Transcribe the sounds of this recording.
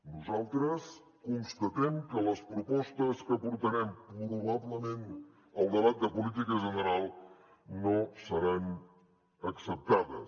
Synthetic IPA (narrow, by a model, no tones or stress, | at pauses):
nuzalˠt̪ɾəs | kunst̪ət̪ɛmkələspɾupɔst̪əskəpuɾt̪əɾɛmpɾuɾuβaβləmen | əlˠd̪əβat̪̚d̪əpulit̪ikəʒənəɾalˠ | nosəɾan | əksəp̚t̪aðə̰